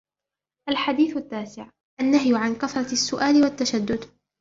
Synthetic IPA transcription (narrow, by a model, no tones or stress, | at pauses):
ʔalħad̪iːθʊt̪ːaːsɪʕ | ʔanːaɦjʕankaθɾˤɑsːʊʔaːlɪwat̪ːaʃad̪ːʊd̪